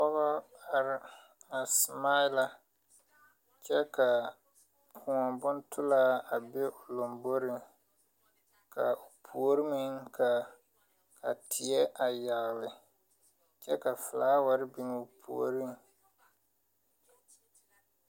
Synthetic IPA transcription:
pɔ˦ɣɔ˦a˨ɾɪ˦ | a˨sma˦ɪ˦la˦ | t͡ʃɛ˦ka˨ | pʰʊ˨ŋɔ˨bʊ˦n˦tʊ˦la˦a˨be˦ʔo˨lo˨mbo˦ɾɪ˦ŋ | ka˨o˨pʰu˨o˦ɾɪ˦mɪ˦ŋkʰa˨ | ka̰˨tʰɪ˨ɛ˦ʔa˨ja˨ɣlɪ˨ | t͡ʃɛ˦ka˨fɪ˨laː˦wa˦ɾɪ˦bi˨n˦o˨pʰṵ˨o̰˦˨ɾɪ˦ŋ

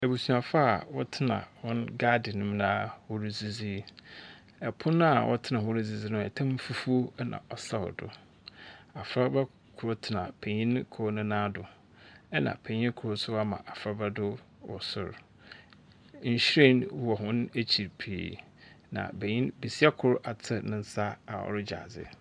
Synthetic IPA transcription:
æ˨bu˨su˨a˨fa˦a˨wɔ˦tʰɪ˦nã̰˨hɔ̃˦nɡa˦dɪ˨nʊ̃˦m˦nãː˦hʊ˦ɾi˦zi˦zi˦ | ɛ˨pʰʊ˦nʊ̃˦a˨wʔɔ̰˦tʰɪ˦nã˨hʊ̃˦ɾɪ˦zi˨zi˦nʊ̃˦ɛ˨tʰã˦m˦fu˦fu˦o˦nã̰˨ʔɔ˨sa˦hɔ̰˨dʊ̰˨ | a˨fɾa˦ba˦ | kʰʊ˨ɾo˦tʰɪ˨nã˨pʰe˨ɲĩ˦nkʰɔː˦nʊ̃˦nãː˦dʊ˨ | ɛ˦nã̰˨pʰe˨ɲĩ˦n˦kʰʊ˨ɾʊ˦sʊ˦a˦mã̰˨ʔa˨fɾa˦ba˦dʊ˦ | wɔ̰˨sʊ̰˨ɾ | ɲ̩˨ɕɾẽ˦˨nwɔ˨ɦʊ̃˦ne˦t͡ɕʰi˨ɾpʰḭː˨ | nã̰˨be˨ɲĩ˦nbi˨si˦ɛ˦kʰʊ˦ɾa˨tʰɪ˦nʊ̃˦n̩˦sa˦a˨ɔ̰˨ɾɪ˦d͡ʑa̰˨d͡zɪ̰˨

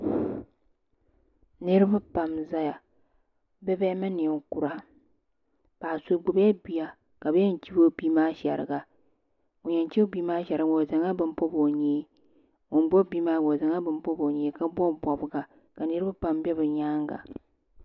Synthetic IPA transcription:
nɨ˦ɾɨ˦ba˦pa˨mza˦ja˨ | bɛ˦bɛ˦mɨ˦ni˨ŋ˨ku˨ɾa˦ | paː˨su˨ɡ͡bʊ˨bja˦bi˨a˨ | ka˨bjɛ˦n̩˨t͡ʃi˦bo˦biː˦maː˦ʃɛ˨ɾɨ̰˨ɡa˨ | o˨ɲɛ˨n˦t͡ʃi˦biː˦maː˦ʃɛ˨ɾɨ˨˦ɡo˨za˨ŋa˦bɨ˦m˦po˦bo˨ɲeː˦ | ŋo˨n˦bɔ˦biː˦maː˦ɡo˨za˨ŋa˦bɨ˨m˦po˦bo˨ɲeː˦ka˦bɔ˦˨bɔ˨bɨ˨ɡa˨ | ka˨nɨ˦ɾɨ˦ba˦pa˨mbɛ˦bɨ˨ɲaː˦ŋɡa̰˨

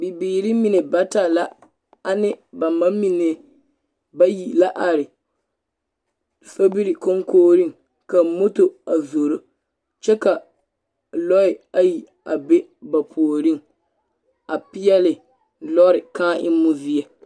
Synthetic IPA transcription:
bi˨biː˨ɾi˦mi˨ne˨ba˦ta˨la˦ | a˦nɪ˦ba˨ma˦mi˨ne˦ | ba˦ji˨la˦ʔa˨ɾɪ˨ | so˦bi˦ɾi˨ko˦ŋkoː˦ɾi˦ŋ | ka˨mo˦to˨a˨zo˨ɾo˦ | t͡ʃɛ˦ka˨ | lɔ˦ɪ˨a˨ji˨ | a˨be˦ba˨pʰoː˨ɾi˦ŋ | a˨pɪ˦jɛ˦lɪ˨ | lɔ˦ɾɪ˨kaː˦ʔɪ̰˦mu˦zi˦ɛ˨

